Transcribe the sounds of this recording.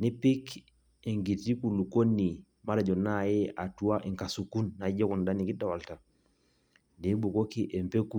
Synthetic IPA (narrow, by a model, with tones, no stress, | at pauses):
ni˦pi˦k | ɛ˨ŋɡi˨ti˦ku˨lu˨ko˦nːi˨ | ma˦ɾa˨d͡ʒɔ˨na˦jɛ˦a˨tu˦a˦ʔɛ˨ŋka˨su˨ku˦nːa˨˦d͡ʒɔ˦ku˨nda˦ni˨ki˦da˨wa˨lta˨ | de˦bu˨ko˦ki˦ʔɛ˨mpe˦ku˦˨